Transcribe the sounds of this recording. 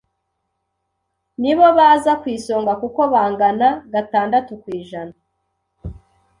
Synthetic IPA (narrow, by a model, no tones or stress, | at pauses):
niβo̞βaːzakwiːso̞ːŋɡakuko̞βaːŋɡanaɡataːndatukwiːʒana